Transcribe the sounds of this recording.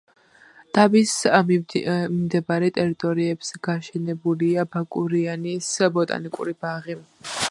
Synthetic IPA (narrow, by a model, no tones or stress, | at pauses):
d̪̥abis | mimd̪ɛbaɾɛt̪ʼɛɾit̪ʼɔɾiɛbsɡ̥aʃɛnɛbuliabakʼuɾianisbɔt̪ʼa̰nikʼṵɾibaʁi